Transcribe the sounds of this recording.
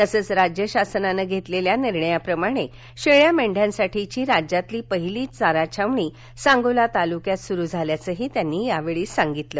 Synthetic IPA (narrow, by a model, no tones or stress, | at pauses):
t̪əsəːt͡sɾad͡ʑjəɕasnanəɡʱet̪leljaniɾɳəjapɾəmaɽ̃e | ɕeɭjameɳɖʱjãnsaʈit͡ɕiːɾad͡ʑat̪liːpəɦiliːt͡saɾat͡ɕʰaʋɳiː | sãŋɡolat̪alukjat̪suɾuːd͡zʱaljat͡səːɦiːt̪janːiːjaʋeɭiːsaŋɡit̪lə